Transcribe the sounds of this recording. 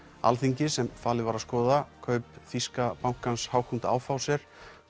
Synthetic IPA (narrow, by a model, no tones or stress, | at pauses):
a̰lθiɲcɪsɛmfaːlɪvaɾaskɔːðakʰœɥpfiskapawŋ̥kanshawhunt̪a̰ːwfawsɛɾ̥